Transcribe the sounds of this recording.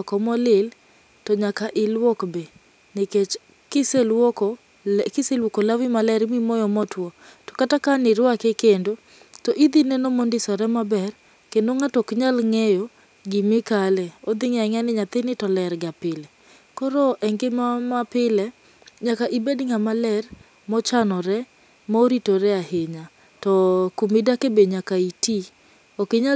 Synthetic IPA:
ɔkɔmɔlɪl | tɔɲakaʔɪlwɔkbe | nɪket͡ʃ | kɪselwokɔ | kɪselwokolawimalɛɾmimɔjɔmɔtwɔtɔ̥katakanɪɾwakekendo | tɔʔid̪inɛnomondɪsɔɾɛmabɛɾ | kendoŋatɔkɲalŋejo | ɡimɪkalɛod̪ɪŋaŋanɪɲat̪ɪnɪtɔlɛɾɡapɪlɛ | kɔɾɔʔɛŋɡɪmamapɪlɛ | ɲakaʔibedŋamalɛr | mɔt͡ʃanɔɾɛ | mɔɾitoɾɛaheɲa | tɔkumidakebeɲakaiti | okɪɲa

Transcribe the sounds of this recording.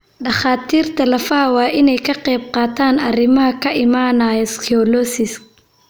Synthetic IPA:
ɗɑχaːt̪ʰiːrt̪ʰɐlɐfɐwɑːʔɪnɛjkʰɐqɛjb̚qɑːt̪ʰaːnɐrɪmɐɦɐkʰɐʔɪmaːnaːjɔskʰiɔlɔsɪsk

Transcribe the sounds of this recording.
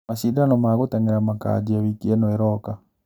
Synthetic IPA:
aʃidanɔmaɣotɛŋeɾamaka̰d͡ʒiawikiɛnɔeɾɔka

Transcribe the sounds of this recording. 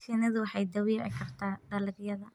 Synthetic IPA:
sinɐðʊwɑħɑjd̪ɐwiːʕɪ̰kʰɐrt̪ʰaːd̪ɐlɪɣjɐðɐ

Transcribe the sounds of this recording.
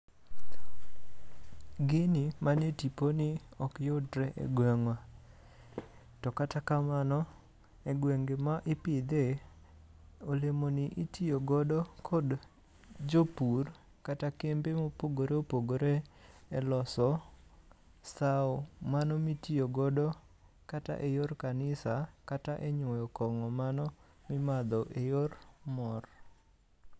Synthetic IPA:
ɡɪnimanetiponɪɔkjodɾɛʔḛɡwɛŋwa | tɔkatakamanɔ | eɡweŋɡemaʔɪpɪd̪e | olemonɪʔitioɡɔdɔkʰɔd | d͡ʒopur | katakembemopoɡoɾeopoɡoɾeːlɔsɔ | saɔmanɔmitioɡɔdɔ | kata̰ʔejorkanɪsakataʔeɲwɔjɔkɔŋɔmanɔ | mɪmad̪ɔʔejormɔr

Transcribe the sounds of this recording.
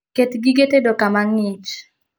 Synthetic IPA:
ket̪ɡiɡetedokamaŋɪt͡ʃ

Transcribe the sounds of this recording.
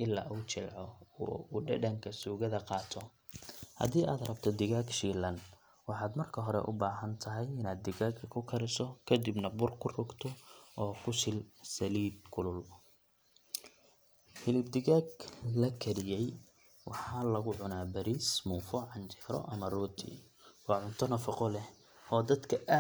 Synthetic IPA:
ʔɪlːa̰ːʔuːt͡ʃɪlʕɔuɖɛɖɐŋkʰɐsuːɣɐðɐqɑːt̪ʰɔ | hɐ̰ðiːʔaːd̪rɐb̚t̪ʰɔd̪ɪɣaːɡʃiːlɐn | wɑħɑːd̪mɐrkʰɐɦɔɾɛ̰ʔʊ̰baːɦɐnt̪ʰɐɦɛjɪnaːd̪̚ɪɣaːkʰkʰʊkʰɐɾɪsɔkʰɐd̪ibnɐbʊrkʰʊrʊɡt̪ʰɔʔɔːkʰʊsɪlsɐliːd̪̚kʰʊlʊl | hɪlɪb̚d̪ɪɣaːɡlɐkʰɐɾɪjɛj | wɑħɑːlɐɣʊʕʊnaːbɐɾiːsmuːfɔʕɑnt͡ʃɛːɾɔ̰ʔɐmɐruːt̪ʰḭ | wɑːʕʊnt̪ʰɔnɐfɑqɔlɛ | ʔɔːd̪ɐd̪kʰɐʔaː

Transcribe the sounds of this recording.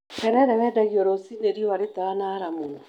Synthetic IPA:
kɛɾɛɾɛwɛːdaɣiɔɾosineɾiɔwaɾetanaɾamo

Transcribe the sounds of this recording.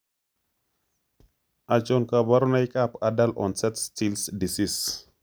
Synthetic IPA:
ʔat͡ʃɔnkabaɾunajkapadalʔɔ̰nsɛtstilsdisis

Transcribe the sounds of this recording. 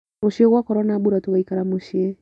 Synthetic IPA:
oʃieɣwakɔɾɔnabuɾatoɣaikaɾamoʃie

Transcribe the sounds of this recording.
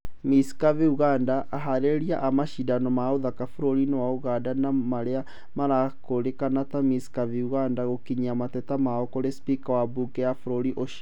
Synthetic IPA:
miskaviuɣandaʔaɦaɾeɾiaʔamaʃidanɔmaoðakafuɾoɾinewauɣadanamaɾea | maɾakoɾekanatamiskaviuɣandaɣokiɲiamatɛtamaɔkoɾespikawabukɛjafuɾoɾiʔoʃ

